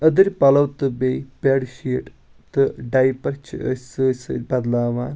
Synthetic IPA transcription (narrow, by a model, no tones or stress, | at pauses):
ɐd̪ɨɾʲpɐlɐwt̪ɨbeːjpeːɖʃiːʈ | t̪ɨɖɐjpɐrt͡ʃʰəsɨsɨ̰bɐd̪laːʋaːn